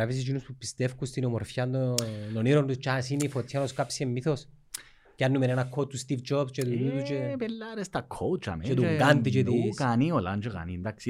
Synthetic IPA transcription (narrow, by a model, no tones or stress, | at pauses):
avis̬it͡ʃinuspupːist̪efkust̪inomoɾfjand̪ononiɾond̪ut͡ʃasinifot̪sjanoskapsiemːiθos | kanːumenɛnakʰːot̪ːust̪ifd͡ʒobst͡ʃet̪unit̪ut͡ʃepelːaɾest̪akʰːot͡ʃa̰mt̪uŋɡand̪it͡ʃet̪ukanioland͡ʒeɡa̰nind̪aksi